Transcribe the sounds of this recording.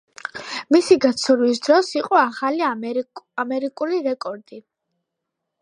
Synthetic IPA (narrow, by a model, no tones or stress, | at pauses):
misiɡat̪sʰuɾwis̬d̪ɾɔsiqʼɔaχali | amɛɾikʼuliɾɛkʼɔɾd̪̥i